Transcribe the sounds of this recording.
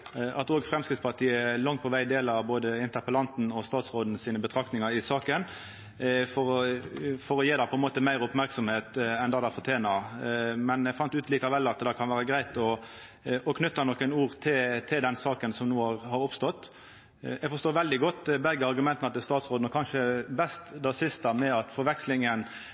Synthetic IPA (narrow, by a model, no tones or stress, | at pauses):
ʔɑt̪oːɡfʁɛmskɾɪt̪spɑt̪ʰiːəɛlɑŋt̪̚pʰɔʋæɪd̪eːləɑʋboːd̪əɪnt̪əpəlɑnt̪nɔst̪ɑːt̪sʁoːd̪n̩siːnəbət̪ʰɾɑkt̪nɪŋɑɾɪsɑːkən | fɔɾɔfɔɾɔjeːd̪ɑpʰɔɛnmoːt̪əmæɪɾʊpmæɾksɔmheːt̪ɛnd̪ɑːd̪ɑfɔt̪ʰjeːnɑmɛnɛɡfɑnt̪ʉːt̪liːkɑʋɛlːɑt̪d̪ɛkʰɑnʋæːɾəɡɾæɪt̪ɔ | ɔkʰnʏt̪ːɑnɔkːənuːʁt̪ʰɪt̪ʰɪld̪ɛnsɑːkənsɔmnuːhɑʁhɑɾʊpst̪ɔt̪ː | ɛɡfɔɾʂt̪oːɾʋɛld̪ɪɡɔt̪ːbɛɡəɑɾɡʉmɛnt̪nɑt̪̚d̪ɛst̪ɑːt̪sʁoːd̪nɔkʰɑnʃʂəbɛst̪d̪æsɪst̪ɑmɛɑt̪fɔɾʋɛkslɪŋən